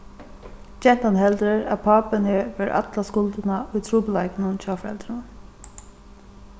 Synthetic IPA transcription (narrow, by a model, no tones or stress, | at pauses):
t͡ʃɛn̥t̪anɦɛlt̪ɾɪɹæ̰ðpʰaːpɪnheːʋɛːɹʔa̰t̪laskʊlt̪ɪnaʊjt̪ʰɾuːpɪlajkɪnʊnt͡ʃʰaːfɾɛ̰lt̪ɾʊn